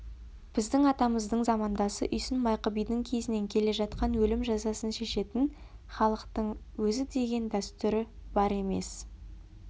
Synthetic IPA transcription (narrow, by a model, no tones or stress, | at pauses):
b̥ɪzd̪ɪŋɑt̪ɑməzd̪əɴzɑmɑnd̪ɑsə̰ʔʏjsɪnmɑjqəbijd̪ɪŋkʲʰe̞zɪne̞ŋkʲʰe̞le̞ʒɑt̪̚qɑnwɵlɪmʒɑzɑsənʃe̞ʃe̞t̪ɪn | χɑlˠəqt̪əɴ | wɵzɪd̪e̞ɡʲe̞nd̪æst̪ʏɾɪb̥ɑɾe̞me̞̰s